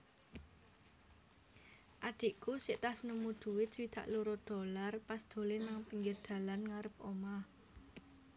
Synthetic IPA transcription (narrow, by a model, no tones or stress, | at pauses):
ʔaɖ̪̥i̤ʔkusɪʔt̪asnumud̪̥ṳwɪt̪swid̪̥a̤ʔluɾod̪̥o̤larpasd̪̥o̤lenaŋpiŋɡərd̪̥a̤lanŋaɾəp̚ʔoma